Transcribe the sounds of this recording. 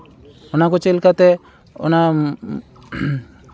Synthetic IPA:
ɔnakɔt͡ʃelkat̪ɛ | ɔ̰na

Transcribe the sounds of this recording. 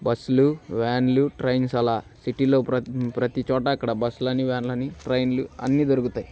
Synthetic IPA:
bɐsuluʋɛːnluʈɾɐjnsɐlaːsiʈilo̞ːppɾɐt̪it͡ʃɔːʈɐːkːɐɽɐbɐsːulɐnːiʋɛːnlɐnːiʈɾɐjnluɐ̰nːid̪oɾukut̪aːji

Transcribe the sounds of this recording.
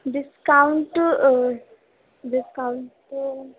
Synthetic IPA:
ɖɪskaʊɳʈ | ɖɪskaʊɳʈ

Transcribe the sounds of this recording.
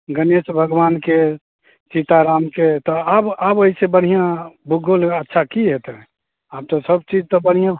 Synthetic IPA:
ɡənesbʱəɡʋanke | t͡ʃit̪aɾamket̪ɔababəisebəɽ̤ijãbʱuɡolətːʃʰakiɦet̪ɛ̃ | ab̚t̪ɔ̃səbt͡ʃid͡ʒt̪ɔbəɽ̤ijã

